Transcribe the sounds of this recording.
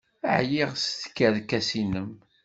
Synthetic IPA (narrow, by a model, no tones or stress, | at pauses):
əʕjiʁsθkːæðkːæsinəm